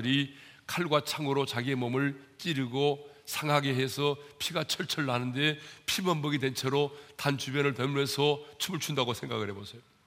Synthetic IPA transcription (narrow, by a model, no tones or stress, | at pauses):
ɯɾikʰaɭɡwat͡ɕʰaŋɯɾot͡ɕaɡie̞mʌmɯɭt͡ɕ͈iɾɯɡosʰaŋɦaɡeɦe̞sʰʌpʰiɡat͡ɕʰʌɭt͡ɕʰʌɭːanɯnde̞pʰimʌmbʌɡide̞nt͡ɕʰeɾotant͡ɕubjʌnɯɭtʌmesʰʌt͡ɕʰumɯɭt͡ɕʰundaɡosʰe̞ŋɡa̰ɡɯɭɾhebosʰejo